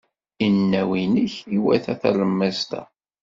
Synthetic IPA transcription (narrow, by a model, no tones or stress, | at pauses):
inːæwinəçiwæ̰θæθæ̰lˤəmːæzt̪æ̰